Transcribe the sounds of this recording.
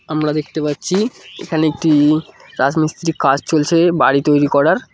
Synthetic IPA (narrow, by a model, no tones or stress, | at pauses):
amɾad̪ekʰt̪epatːɕʰiḛkʰaneek̚ʈiɾad͡ʑmist̪ɾikːad͡ʑt͡ɕolt͡ɕʰebaɽit̪ojɾikɔɾaɾ